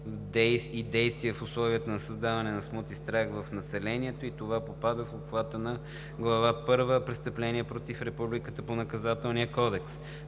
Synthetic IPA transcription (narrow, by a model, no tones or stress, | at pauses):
d̪ɛid̪ɛjst̪viɛfʊslˠɔviət̪ənɐsəzd̪avɐnɛnɐsmɔt̪ist̪ɾaxvəfnɐsɛlɛniɛt̪oit̪ovapopad̪əfopxvat̪ənɐ | ɡlˠɐvapɤɾvəpɾɛst̪əplɛniɛpɾot̪ifɾɛpublikət̪əponɐkɐzat̪ɛlˠniəkɔd̪ɛks